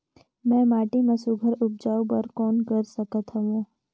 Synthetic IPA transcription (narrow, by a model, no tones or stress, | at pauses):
mɛ̃maʈimãsuɡʱəɾʊp̚d͡ʒaupəɾkɔnkəɾsəkət̪ɦəʋõ